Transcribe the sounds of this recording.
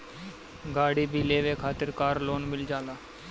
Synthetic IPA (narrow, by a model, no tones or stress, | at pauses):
ɡaːɽiːbʱileːʋeːkʰaːt̪ɪɾkaːɾloːnmɪld͡ʒaːlaː